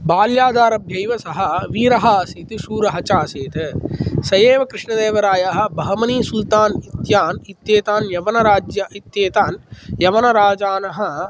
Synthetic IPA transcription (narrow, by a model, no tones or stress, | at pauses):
baːljaːd̪aːɾɐbʱjɐjʋɐsɐɦɐʋiːɾɐɦasit̪isuːɾɐɦɐt͡ʃaːseːt̪ɐsɐjeːʋɐkɾɪʂɳɐd̪eːʋɐɾaːjaɦɐ̆bɐɦɐmɐnisult̪aːnit̪jaːnit̪jeːt̪aːnjɐʋɐnɐɾaːd͡ʒjɐit̪jeːt̪aːnjɐʋɐnɐɾaːd͡ʒaːnɐɦɐ̆